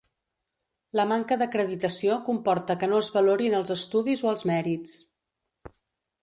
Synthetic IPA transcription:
ləmaŋkəðəkɾəðit̪əsiokumpɔɾt̪əkənoəzβəloɾinəlˠzəst̪uðizoəlˠzmɛɾit͡s

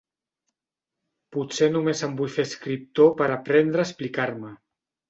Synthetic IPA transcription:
put͡senumezəmbujfeskɾip̚t̪opəɾapɾɛnd̪ɾəːsplikaɾmə

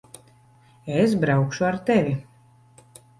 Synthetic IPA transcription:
esbɾawkʃuaɾt̪ɛvʲi

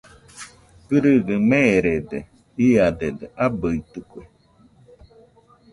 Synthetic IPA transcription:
kɨɾɯɡɯmeɾed̪ḛ | iad̪ed̪eʔabɯit̪ɯkʷe

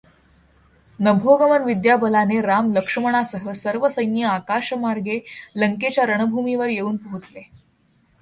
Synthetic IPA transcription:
nəbʱoɡəmənʋid̪jabəlaneɾamləkʂəməɽ̃asəɦəsəɾʋəsəjnjəakaʂəmaɾɡeləŋket͡ɕjaɾəɳ̃əbʱumiʋəɾjeuːnpəɦut͡sle

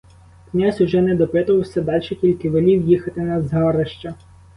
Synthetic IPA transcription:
knʲazʲʊʒɛnɛd̪ɔpɪt̪ʊʋɐwsʲɐd̪ɑlʲʃɛkʲilʲkɪʋelʲiwjixɐt̪ɪnɐzɦɑɾeʃt͡ʃɐ

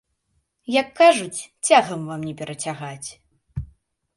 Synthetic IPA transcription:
jɐkːaʐut͡sʲt͡sʲaɣɐmvamnʲɛpʲɛɾʔɐt͡sʲaɣat͡sʲ

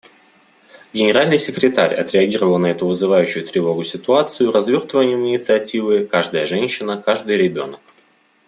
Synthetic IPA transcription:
ɡʲɪnʲɪɾalʲnɨjsʲɪkɾʲɪt̪aɾʲɐ̰t̪ɾʲɪɐɡʲiɾəvəlˠnɐɛt̪ʊvɨzɨvajʉɕːʊjʊt̪ɾʲɪvo̞ɡʊsʲɪt̪ʊat̪sɨjʊrɐzvʲo̞rt̪vəvənʲɪjəmɪnʲɪt̪sɨɐtʲivɨkaʐd̪əjəʐɛnʲɕːɪnəkaʐd̪ɨjɾʲɪbʲo̞nək̚

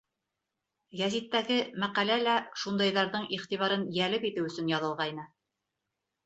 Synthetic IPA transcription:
jæzit̪ːæɡɘmæqælælæʃund̪ɑjðɑɾðɤɴʔiχt̪iβɑɾɤnjælɘpit̪ɘwɵ̆sɵnjɑðɤ̆lˠʁɑjnɤ

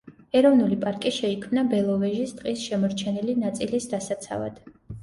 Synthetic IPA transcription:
ɛɾɔvnulipʼaɾkʼiʃɛikʰmnabɛlˠɔvɛʒist̪ʼqʼisʃɛmɔɾt͡ʃʰɛnilinat̪sʼilisd̪asat̪sʰa̰va̰d̪̥

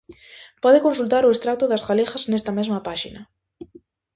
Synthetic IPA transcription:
pɔðekonsult̪aɾʊest̪ɾat̪ʊðɐzɣalexaznest̪ɐmezmɐpaʃinɐ

